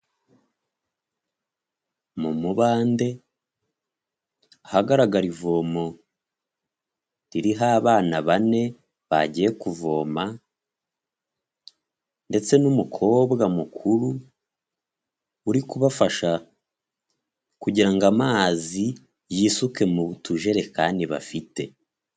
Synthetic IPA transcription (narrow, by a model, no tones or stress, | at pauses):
mumuβaːnde̞ | ahaɡaɾaɡaɾivo̞ːmo̞ | ɾiɾiɦaβaːnaβane̞ | βa̰ɟije̞kuvo̞̰ːma | nde̞t͡se̞numukʰo̞ːbɡamukʰuɾu | uɾikuβafaʃa | kuɟiɾaŋɡamaːzi | jiːsuke̞muβutuʒe̞ɾe̞kaːndiβa̰fite̞